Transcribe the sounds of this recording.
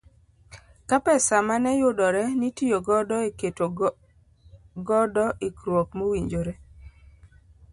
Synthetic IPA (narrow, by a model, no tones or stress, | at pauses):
kapɛsamanɛjʊdɔɾɛnitijoɡɔdɔeketo | ɡɔdɔʔikɾwɔkmowiɲd͡ʒoɾe